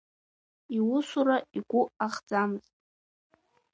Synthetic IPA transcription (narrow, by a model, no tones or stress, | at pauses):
iwʊsuɾaiɡʷʊaχd͡zamɨzʼ